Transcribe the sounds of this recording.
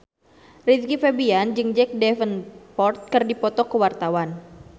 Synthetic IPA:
rit̪̚kifɛbiand͡ʒɨŋd͡ʒɛk̚dɛfənpɔrt̪̚kɨrdipɔt̪ɔkəwart̪awan

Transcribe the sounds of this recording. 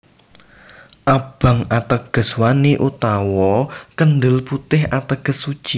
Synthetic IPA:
ʔab̥ä̤ŋat̪əɡ̥ə̤swaniʔut̪awɔkənd̪əlput̪ɪɦat̪əɡ̥əsːu̥t͡ʃi

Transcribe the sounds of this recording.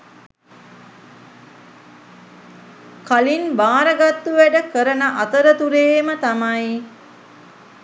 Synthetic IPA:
kalinbaːɾəɡat̪ːuʋæɖəkəɾənəʔat̪əɾət̪uɾeːmət̪amaj

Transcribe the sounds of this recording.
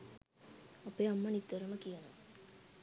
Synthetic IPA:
apeːamːənit̪ːəɾuməkijəno̰

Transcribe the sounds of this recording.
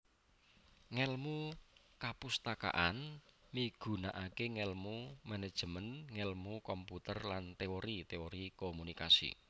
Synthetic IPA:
ŋɛlmu | kapust̪aka̰ʔan | miɡ̥ṳnaʔakeŋɛlmumɛnɛd̥ʒ̥ə̤mənŋɛlmukɔmput̪ərlant̪eoɾit̪eoɾikomunikasḭ

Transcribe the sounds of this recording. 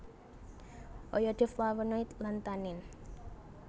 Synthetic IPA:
ʔɔjɔɖ̥ɛ̤flawənɔjt̪lant̪anɪn

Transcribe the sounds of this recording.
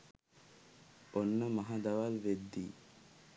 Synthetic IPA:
onːəmɐɦad̪ɐʋalʋed̪ːiː

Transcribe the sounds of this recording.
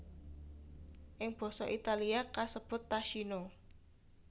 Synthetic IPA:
ʔɪŋb̥ɔ̤sɔʔit̪aliakasəb̥ʊ̤t̪ːaʃino

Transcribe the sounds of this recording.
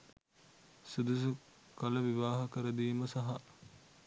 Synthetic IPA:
sud̪usu | kɐlɐʋiʋaːɦɐkɐɾɐd̪iːmɐsɐɦɐʔ

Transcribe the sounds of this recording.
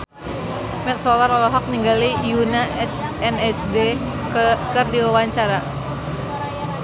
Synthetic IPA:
mɛt̪̚sɔlɔɾɔlɔɦɔk̚niŋɡalijuna | ɛnɛsde | kɨrdiwawaɲt͡ʃaɾa

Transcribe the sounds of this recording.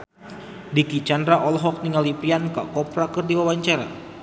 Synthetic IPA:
dikit͡ʃandɾaʔɔlɦɔk̚niŋalipɾianka̰kɔpɾakɨrdiwawaɲt͡ʃaɾa̰

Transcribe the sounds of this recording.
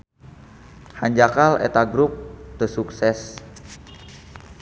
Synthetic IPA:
haɲd͡ʒakalḛt̪aɡɾup̚t̪əsuksɛs

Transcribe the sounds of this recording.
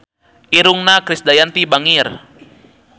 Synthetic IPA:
ʔiɾuŋnakɾisd̪ajant̪ibaŋir

